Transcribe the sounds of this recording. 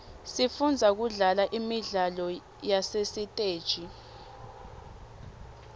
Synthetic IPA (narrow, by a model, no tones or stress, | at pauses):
sifund͡zʱak̬uɮalaʔimiɮalɔ | jasesitʼeːd̥ʒ̥ʱi